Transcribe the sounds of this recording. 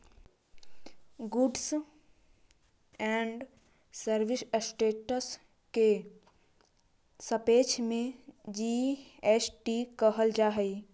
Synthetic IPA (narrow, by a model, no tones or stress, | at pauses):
ɡʊɖs | ɛ̃ːɳɖ | səɾʋɪssʈeːʈəs | ke | səpeːt͡ʃʰmẽd͡ʒiːesʈikəɦəld͡ʒaːɦəi